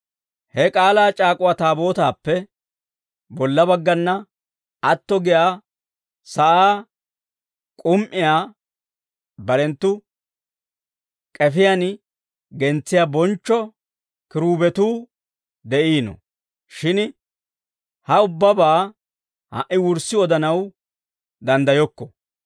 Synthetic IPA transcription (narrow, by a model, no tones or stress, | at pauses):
hɛkʼaːlaːt͡ʃʼaːkʼʊwat̪aːbo̞ːt̪aːpːɛ | bɔlːɐbɐɡːɐnːɐ | ɐt̪ːɔɡɪjaː | sɐʔaː | kʼʊmʔɪjaː | bɐɾɛnt̪ːʊ | kʼɛfɪjan | ɡɛnt͡sːɪjabɔnt͡ʃːɔ | kɪɾuːbɛt̪uː | d̪ɛʔiːnɔ̰ | ʃɪn | hɐʊbːɐbaː | ha̰ʔɪwʊɾsɪɔd̪ɐnɐw | d̪ɐnd̪ɐjɔkːɔ̥